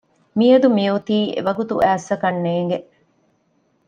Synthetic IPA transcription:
miɐd̪umijut̪iːḛʋɐɡut̪ṵʔæːsɐkɐnːeːŋ̆ɡeʔ

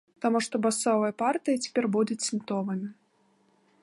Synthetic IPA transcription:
t̪amuʂt̪ɔbasɔvɐjɐpart̪ɨjɐt͡sʲɛ̥pʲɛrbud̪ut͡sʲsʲint̪ɔvɨmʲi

